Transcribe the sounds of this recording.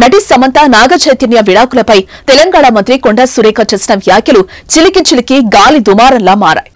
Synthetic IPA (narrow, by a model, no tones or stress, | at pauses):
nɐʈisɐmɐnt̪anaːɡɐt͡ʃɐjt̪injɐʋiɽaːkulɐpɐjt̪ɛlɐŋɡaːɽamɐnt̪ɾikoɳɖɐsuɾeːkɐt͡ʃeːsinɐʋjaːkʰjɐlu | t͡ʃilikit͡ʃilikiɡaːlid̪umaːɾɐnlaːmaːɾa̰ːji